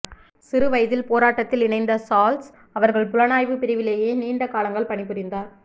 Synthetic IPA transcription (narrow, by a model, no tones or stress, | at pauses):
sɪɾɯʋɐjðɪlpoːɾaːʈːɐt̪ːɪlɪɳɐɪnd̪ɐsaːls | ɐʋɐɾɣɐɭpʊlɐnaːjʋɯpɪɾɪʋɪleːjeːniːɳɖɐkaːlɐŋɡɐɭpɐɳɪpːɯɾɪnd̪aːɾ